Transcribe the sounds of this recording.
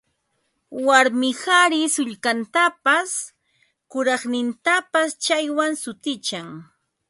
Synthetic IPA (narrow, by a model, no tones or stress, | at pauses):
waɾmɪhaɾɪsʊʎkant̪apas | kʊɾɑχnɪnt̪apast͡ʃajwaŋsʊt̪ɪt͡ʃaŋ